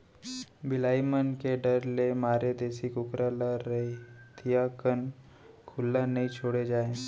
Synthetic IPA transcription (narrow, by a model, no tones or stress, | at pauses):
bɪlaːimənkeɖəɾlemaːɾed̪eːsikʊkɾalaːəɦit̪ʰijakən | kʰʊlːanɐɦĩt͡ʃʰoːɽed͡ʒaːẽː